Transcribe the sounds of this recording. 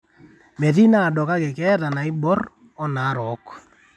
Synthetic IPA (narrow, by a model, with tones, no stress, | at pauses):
mɛ˨ti˦na˦˨dɔ˨ka˦kɛ˨kɛ˦ta˨na˨i˦bɔ˦r | ɔ˦na˨˦ɾɔ˨˦k